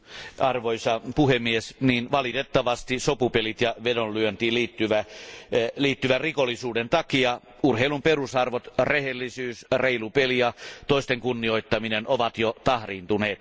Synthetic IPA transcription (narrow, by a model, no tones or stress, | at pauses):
ɑrʋoisɑpuhemːiesniːnʋɑlit̪et̪ːɑʋɑst̪isopupelit̪jɑʋedollyønt̪iːliːt̪ːyʋæ | liːt̪ːyʋærikolːˑisuːdent̪ɑkiɑ | urheilumperusɑrʋot̪rehelːisyːsreilupelijɑt̪oist̪eŋkunːioit̪ːɑminenoʋɑt̪jot̪ɑhriːnt̪uneːt̪